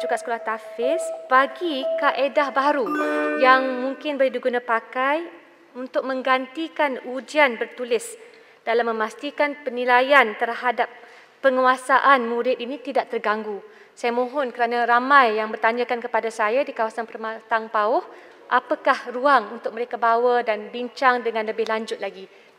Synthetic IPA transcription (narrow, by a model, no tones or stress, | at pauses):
d͡ʒuɡaʔsə̥kolaht̪afɪsb̥aɡikaʔedahbaɾujaŋmũŋkɪnbolidiɡunapakaj | unt̪ʊk̚mə̃ŋɡant̪ikanud͡ʒianbərt̪ulɪs | d̥alamːə̃mast̪ikanpənilajant̪ərhadap̚ː | əŋuasaʔanmũɾɪt̪̚inĩt̪idaʔ̚t̪ərɡaŋɡu | sajamõɦɔnkəɾanaɾamãjːaŋbərt̪aɲãkankəpadasajadikawasanpərmat̪aŋpaɔh | ʔapakahruaŋunt̪ʊk̚məɾekabawədanbiɲt͡ʃaŋdəŋãnləbɪhlaɲd͡ʒʊt̪̚laɡi